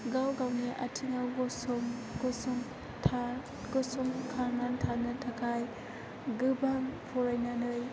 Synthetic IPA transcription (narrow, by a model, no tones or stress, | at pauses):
ɡawɡawniʔɐtʰiŋaɡɔsɔmɡ̥ɔsɔŋ | tʰa | ɡ̥ɯsɔŋkʰaɾnantʰanɐtʰakʰaj | ɡɯbaŋpʰɔɾajnanɯj